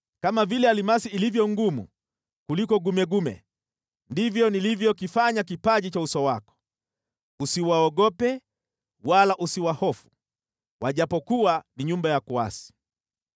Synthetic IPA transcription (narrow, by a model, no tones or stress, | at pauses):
kamavilɛalimasiːlivjɔŋɡumṵ | kulikɔɡumɛɡumɛ̰ | ndivjɔnilivjɔkifaɲak̬ipaʄit͡ʃausɔwakɔ̥ | usiwaɔɡɔpɛ | walaʔusiwahɔfu̥ | waʄapɔkuaniɲumbajakua̰si̥